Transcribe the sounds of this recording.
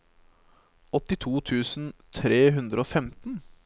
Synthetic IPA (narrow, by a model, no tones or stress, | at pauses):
ɔt̪ɪt̪ʰuːt̪ʰʉːsn̩t̪ʰɾeːɦʉnd̪ɾəoːfɛmt̪n̩